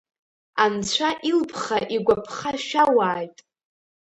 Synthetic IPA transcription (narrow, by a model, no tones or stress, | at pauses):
ant͡ɕʷʰaʔilpʰχaʔiɡʷapʰχaʃawaːjtʼ